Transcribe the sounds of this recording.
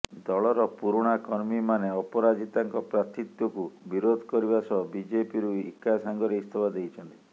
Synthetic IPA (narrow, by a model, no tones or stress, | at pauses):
d̪ɔɭɔɾɔpuɾuɽ̃akɔɾmimaneɔpɔɾad͡ʒit̪aŋkɔpɾat̪it̪jɔkubiɾod̪ʱkɔɾibasɔbid͡ʒepiɾuikasaŋɡɔɾeist̪ʰɔbad̪ejt͡ʃʰɔnt̪i